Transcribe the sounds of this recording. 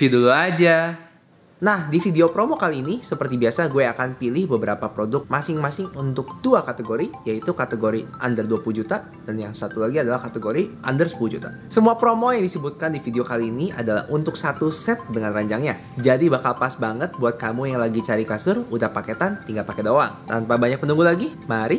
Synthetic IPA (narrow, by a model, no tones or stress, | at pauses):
fiduluad͡ʒa | nahdifideopɾomokaliːnisəpərt̪ibiasaɡueakanpilɪhbəbəɾapapɾodʊk̚masɪŋmasɪŋunt̪ʊk̚duakat̪əɡoɾijait̪ukat̪əɡoɾiʔandərduapulud͡ʒut̪a | danjaŋsat̪ulaɡiadalahkat̪eɡoɾiʔa̰ndərsə̥pulud͡ʒut̪a | səmuapɾomojaŋdisəbut̪̚kandifideokaliːniʔa̰dala̰hunt̪ʊksat̪usɛt̪̚dəŋanraɲd͡ʒaŋɲa | d͡ʒadibakalpasbaŋət̪̚buat̪̚kamujaŋlaɡit͡ʃaɾikasʊrudapaket̪ant̪iŋɡalpakedoɾa̰ŋt̪anpabaɲak̚pənuŋɡulaɡimaɾi